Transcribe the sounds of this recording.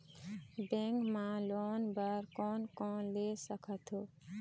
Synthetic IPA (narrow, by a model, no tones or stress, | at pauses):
bẽŋkmãloːnbəɾkɔnkɔ̃lesəkʰət̪ʰɦo